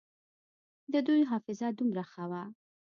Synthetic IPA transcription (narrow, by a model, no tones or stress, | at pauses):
d̪əd̪ujɦɑfɪzad̪umɾaxawa